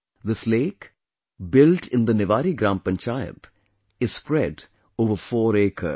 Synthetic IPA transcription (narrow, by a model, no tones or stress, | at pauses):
d̪əsleːk | bɪlʈʰɪ̃nd̪ənɪʋaːɾiɡɾãːmpə̃ɲt͡ʃaːjə̰t̪ | ɪzspɾɛɖ | oːʋəɾfɔːɾeːkə̰